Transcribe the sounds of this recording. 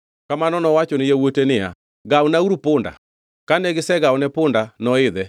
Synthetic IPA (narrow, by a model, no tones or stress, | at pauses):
kamanɔnɔwat͡ʃonɪjewotenɪa̰ | ɡaonauɾupʊnda̰ | kanɛɡɪsɛɡaonɛpʊndanɔɪðɛ